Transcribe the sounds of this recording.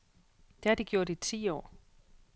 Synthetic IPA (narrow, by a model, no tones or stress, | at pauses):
d̥eæɐd̥iɡ̥jo̝ɐ̰d̥it͡sʰḭːɒ̰ː